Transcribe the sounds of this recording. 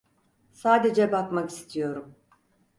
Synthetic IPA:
saːd̪e̞d͡ʒɛbakmakist̪ʰijo̞ɾum

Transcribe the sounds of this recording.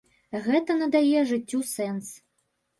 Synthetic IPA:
ɣɛt̪ɐnɐd̪ajɛʐɨt͡sʲːusɛns

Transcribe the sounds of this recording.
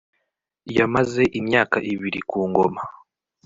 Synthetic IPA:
jamaze̞ʔimjaːkaʔiβiɾikuːŋɡo̞ma

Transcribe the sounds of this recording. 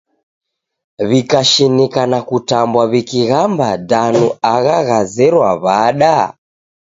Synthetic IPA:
βikaʃinikanakutambwaβikiɣambadanuaɣaɣazɛɾwaβaɗa

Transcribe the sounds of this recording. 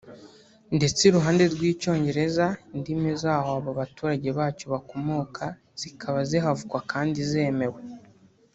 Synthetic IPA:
nde̞t͡seɾuɦaːnde̞ɾɡwiːco̞ːɲɟe̞ɾe̞zandimezaːhoaβoβatuːɾaɟe̞βaːco̞βako̞moːkʰa | z̥ikʰaβazeɦavukwakʰaːndize̞ːme̞we

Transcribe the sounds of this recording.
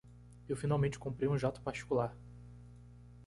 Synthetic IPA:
ewfinawmẽnt͡ʃɪ̥kõpɾejũʒat̪ʊ̥paɾt͡ʃi̥kulaɾ

